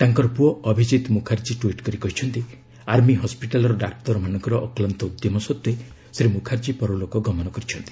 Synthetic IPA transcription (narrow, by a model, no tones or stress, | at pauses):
t̪aŋkɔɾɔpuɔʔɔbʱid͡ʒit̪mukʰaɾt͡ʃiʈuiʈkɔɾikɔɦit͡ʃʰɔnt̪i | aɾmiɦɔspiʈalɔɾɔɖak̚ʈ̪ɔɾɔmanɔŋkɔɾɔʔːklant̪ɔud̪jɔmɔsɔt̪ːe | sɾemukʰaɾt͡ʃipɔɾɔlokɔɡɔmɔnɔkɔɾit͡ʃʰɔnt̪i̥